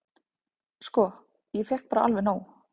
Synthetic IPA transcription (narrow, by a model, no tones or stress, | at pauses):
skɔ | jɛfɛhk̚paːɾaa̰lvɛnaːw